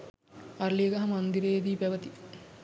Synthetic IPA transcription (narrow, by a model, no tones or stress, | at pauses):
ɐɾliɡɐɦɐmɐnd̪iɾeːd̪ipɐʋɐt̪i